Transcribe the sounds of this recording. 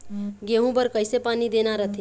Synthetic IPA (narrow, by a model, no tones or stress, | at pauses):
ɡeɦũbəɾkəɪsepaːnid̪eːnaɾət̪ʰi